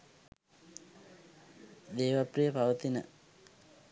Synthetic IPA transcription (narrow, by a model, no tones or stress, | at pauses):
d̪eːʋaprijəpaʋət̪inə̰